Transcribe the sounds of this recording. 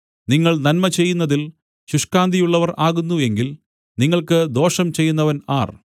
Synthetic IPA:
niŋːɐɭnɐnmɐt͡ɕe̞jːunːɐðil | ɕuʂkaːnd̪ʱijuɭːɐʋɐraːɣunːue̞ŋɡil | niŋːɐɭkɨd̪o̞ːʂɐmt͡ɕe̞jːunːɐʋɐnaːr

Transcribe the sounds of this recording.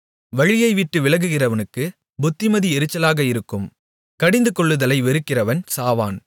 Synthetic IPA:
ʋɐɻɪjɐɪʋɪʈːɯʋɪlɐɣɯɣɪrɐʋɐnɯkːɯ | bʊt̪ːɪmɐðiɛɾɯt͡ʃːɐlaːɣɐɪɾɯkːɯm | kɐɽɪnd̪ɯkɔɭːɯðɐlɐɪʋɛɾɯkːɪrɐʋɐnsaːʋa̰ːn

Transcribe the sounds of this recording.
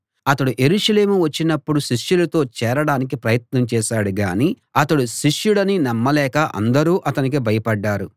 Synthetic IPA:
ɐt̪ɐɽuʔe̞ɾuːʂɐle̞ːmuʋɐt͡ʃːinɐpːuɽuʃiʂjulɐt̪o̞ːt͡ʃɛːɾɐɽaːnik̬ipɾɐjɐt̪nɐmt͡ʃɛːʃaːɽuɡa̰ːni | ɐt̪ɐɽuʃiʂjuɽɐninɐmːɐlɛːkɐʔɐ̰nd̪ɐɾuːʔɐt̪ɐnik̬ibʱɐjɐpɐɖːaːɾu

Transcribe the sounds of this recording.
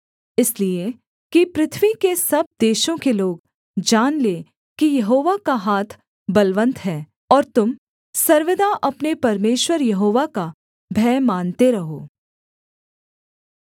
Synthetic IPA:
ɪslie | kipɾɪt̪ʰʋikesɐb̚d̪eːʃõkeloːɡ | d͡ʒaːnle | kijɐɦoːʋakaɦaːt̪ʰ | bɐlʋə̃nt̪ɦɛː | ɔːɾt̪ʊm | sɐɾʋɪd̪aʔɐpnepɐɾmeːʃwəɾjɐɦoːʋaka | bʱɛːmaːnt̪eɾɐɦoː

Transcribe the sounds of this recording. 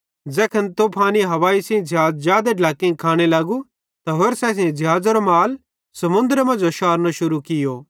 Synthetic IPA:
d͡zɛːkʰɐnt̪oːpʰaːniɦɐʋaːisɛ̃d͡ʒʱaːzjaːd̪eɖʱlaːkːĩkʰaːɽ̃elaːɡu | t̪aɦoːɾsɛs̬ẽd͡ʒʱɦaːd͡zɐɾomaːl | sɐmʊ̃nd̪ɾemɐ̃nd͡ʒoʃaːɾnaʃʊɾukɪjo

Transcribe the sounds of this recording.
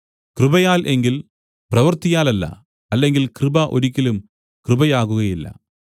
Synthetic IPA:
krɨbɐjaːlʔe̞ŋɡil | prɐʋɐrt̪ijaːlɐlːɐ̰ | ɐlːe̞ŋɡilkrɨbɐʔo̞̰ɾukʲːilum | krɨbɐjaːɣuɣɐjilːɐ̰

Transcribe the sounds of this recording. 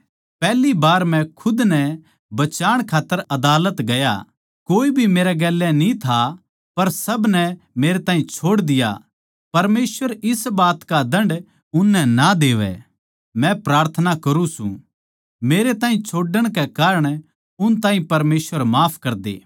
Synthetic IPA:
pɛːlibaːɾmɛ̃kʰʊd̪nɛ | bɐt͡ʃaːɽ̃kʰaːt̪ːəɾɐd̪aːlət̪ɡɐja̰ | koːibʱimeːɾɛɡɛːlːɛnĩt̪ʰa | pɐɾsɐbnɛ | meːɾet̪ãːɦĩt͡ʃʰoːɽd̪ɪja̰ | pɐɾmeːsʋəɾɪsbaːt̪kad̪ɐ̃ɳɖ | ʊnːɛnad̪eːʋɛ̰ | mɛ̃pɾaːɾt̪ʰənakɐɾũsṵ̃ | meːɾet̪aːɦĩt͡ʃʰoːɖəɽ̃kɛkaːɾəɽ̃ | ʊnt̪ãːɦĩpɐɾmeːsʋəɾmaːpʰkɐɾd̪ḛː

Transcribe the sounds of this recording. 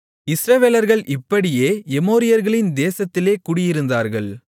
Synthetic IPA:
ɪsɾɐʋeːlɐɾɣɐɭʔɪpːɐɽɪjeːɛmoːɾɪjɐɾɣɐɭɪnd̪eːsɐt̪ːɪleːkʊɽɪjɪɾɯnd̪aːɾɣɐɭ

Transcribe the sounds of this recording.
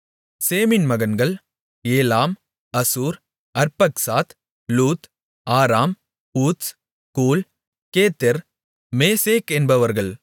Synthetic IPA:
seːmɪnmɐɣɐnɡɐɭ | eːlaːm | ɐsuːɾ | ɐɾpɐksaːt̪ | luːt̪ | aːɾaːm | puːt̪s | kuːl | keːt̪ːɐɾ | meːseːkɛnbɐʋɐɾɣɐɭ

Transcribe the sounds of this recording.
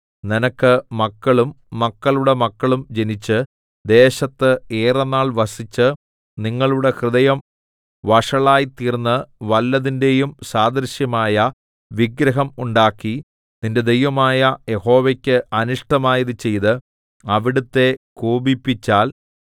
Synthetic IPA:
ninɐkːɨmɐkːɐɭumː | ɐkːɐɭuɽe̞mɐkːɐɭumd͡ʑe̞nit͡ɕːɨ | d̪e̞ːɕɐt̪ːɨeːrɐnːaːɭʋɐsit͡ɕːɨ | niŋːɐɭuɽe̞krɨðɐjɐm | ʋɐʂɐɭaːjit̪ːiːrnːɨʋɐlːɐðinde̞jumsaːd̪ɐɾɕjɐmaːjɐ | ʋiɡɾɐɦɐmuɳɖaːkːi | ninde̞d̪ejʋɐmaːjɐjeho̞ːʋekʲːɨɐnuʂʈɐmaːjɐðɨt͡ɕe̞jðɨ | ɐʋiɽut̪ːe̞kuːbipːit͡ɕːaːl

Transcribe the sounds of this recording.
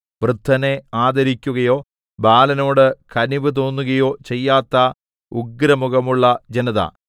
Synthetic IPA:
ʋrɨd̪ʱːɐne̞aːd̪ɐɾikʲːuɣɐjo̞ː | baːlɐno̞ːɽɨkɐniʋɨt̪̬o̞ːnːuɣɐjo̞ːt͡ɕe̞jːaːt̪ːɐ | uɡɾɐmuɣɐmuɭːɐd͡ʑenɐðɐ̰

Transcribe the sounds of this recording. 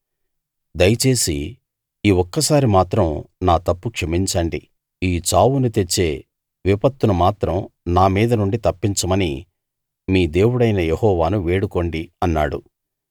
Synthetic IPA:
d̪ɐjɐt͡ʃe̞ːsi | iːwɔkːɐsaːɾimaːt̪ɾɐmnaːt̪ɐpːukʂɐmiɲt͡ʃɐɳɖi | iːt͡ʃaːwunut̪e̞t͡ʃːe̞ː | ʋipɐt̪ːunumaːt̪ɾɐmnaːmiːd̪ɐnuɳɖit̪ɐpːiɲt͡ʃɐmɐni | miːd̪e̞ːwuɽɐjnɐjehɔːʋaːnuʋe̞ːɽuko̞ɳɖiɐnːa̰ːɽṵ

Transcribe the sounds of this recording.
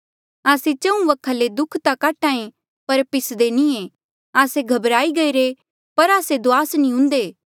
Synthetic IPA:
aːset͡ʃɐ̃ũʋɐkʰaːled̪ʊkʰt̪akaːʈãːẽ | pɐɾpɪsd̪enĩẽ | aːseɡʱɐbɾaːiɡɐiɾe | pɐɾaːsed̪oaːsnĩɦʊ̃nd̪eː

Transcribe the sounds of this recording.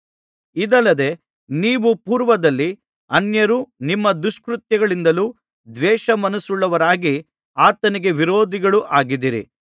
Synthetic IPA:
id̪ɐlːɐd̪e̞ | niːʋupuːɾʋɐd̪ɐlːi | ɐnjɐɾuːnimːɐd̪uʂkɾut̪jɐɡɐɭind̪ɐluː | d̪ʋɛːʃɐmɐnɐsuɭːɐʋɐɾaːɡi | aːt̪ɐniɡe̞ʋiɾoːd̪ʱiɡɐɭuʔaːɡid̪iɾḭ

